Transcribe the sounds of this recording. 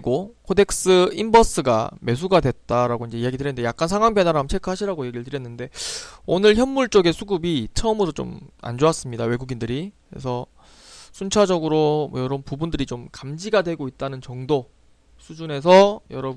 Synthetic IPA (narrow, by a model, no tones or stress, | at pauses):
ɡokʰode̞k̚s͈ɯimbʌs͈ɯɡa̰me̞s̬ʰuɡadwe̞t̚t͈aɾaɡoind͡ʑe̞ijaɡitɯɾjnːɯndejak̚k͈ansʰaŋɦwaŋpʰjʌnaɾamt͡ɕʰekʰɯɦaɕʰiɾaɡoje̞ɡiɭtɯɾjʌnːɯnde̞onɯɭçjʌnːuɭt͡ɕ͈oɡe̞sʰuɡubit͡ɕʰʌʌmɯɾot͡ɕo̰ma̰nd͡ʑoas͈ɯmɲidawe̞ɡuɡindɯɾikḛsʰʌ | sʰunt͡ɕʰad͡ʑʌɡɯɾomʌjʌɾʌnpubundɯɾit͡ɕomkamd͡ʑiɡadwe̞ɡoit̚t͈anɯnt͡ɕʌŋdo | sʰud͡ʑune̞s̬ʰʌjʌɾʌ